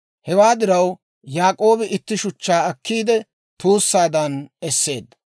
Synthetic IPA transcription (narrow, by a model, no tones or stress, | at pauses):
hɛwaːd̪ɪɾɐw | jaːkʼo̞ːbɪʔɪt̪ːɪʃʊt͡ʃːaːɐkːiːd̪ɛ | t̪uːsːaːd̪ɐnɛsːe̞ːd̪ːɐ